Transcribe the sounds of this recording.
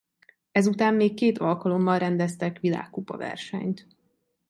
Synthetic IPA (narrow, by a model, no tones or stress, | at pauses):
ɛzut̪aːmːeːkːeːt̪ʰɒlkɒlo̞mːɒlrɛnd̪ɛst̪ɛkʋila̰ːkːupɒ̰vɛ̰rʃɛ̰ɲt̪